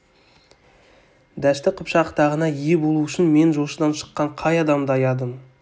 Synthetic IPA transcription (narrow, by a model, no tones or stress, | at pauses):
d̪æst̪ɪqʰʊpʃɑqt̪ʰɑʁənɑijebo̞lˠuʏʃɪnme̞nʒoʃəd̪ɑnʃə̥qːɑɴqʰɑjɑd̪ɑmd̪əɑjɑd̪əm